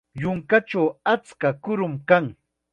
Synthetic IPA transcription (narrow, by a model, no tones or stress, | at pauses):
jʊŋkat͡ʃawat͡skakʊɾʊmkaŋ